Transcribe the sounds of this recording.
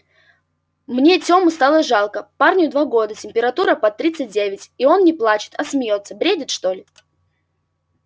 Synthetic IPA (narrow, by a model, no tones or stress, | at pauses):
mnʲetʲo̞mɨst̪alˠəʐalˠkəparnʲʊd̪vaɡo̞d̪ətʲɪmʲpʲɪɾɐt̪uɾəpɐt̪ːɾʲit̪sɨt̚ʲdʲevʲɪtʲio̞nnʲɪplˠat͡ɕɪ̥t̪ʰɐsmʲɪjo̞t̪sːəbɾʲedʲɪt̪ʂt̪olʲɪ